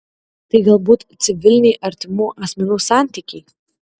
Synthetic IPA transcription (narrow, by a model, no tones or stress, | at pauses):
t̪ɐɪɡɐlˠbuːt̪t̪sʲɪʋʲɪlʲnʲɛjʔɐɾʲt̪ʲɪmuːʔɐsʲmʲɛnuːsɑˑnʲt̪ʲiːkʲɛɪ